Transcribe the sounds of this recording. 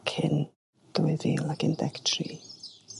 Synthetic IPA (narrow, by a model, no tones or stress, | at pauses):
kʰɪn | d̪̥ɔjðilakʰɪndɛktʰrḭ